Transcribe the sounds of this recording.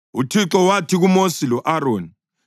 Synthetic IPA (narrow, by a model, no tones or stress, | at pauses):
utʰiǁɔwatʰiɣumosilɔʔaɾoːni